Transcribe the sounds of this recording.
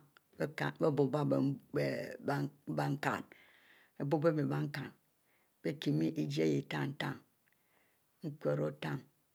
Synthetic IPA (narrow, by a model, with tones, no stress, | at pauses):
ka˨be˦bo˨ba˦be˨e˨˦ | ba˦ŋ̩˦ka̰˨n | e˨bo˦be˦be˨ba˦ŋ̩˦ka˨n | b̥e˦ki˨mi˦ʔi˦d͡ʒi˦e˦ji˨ta˦˨n̩˦ta˦˨ŋ | ŋ̩˦kʷe˨ɾo˦ta˦˨ŋ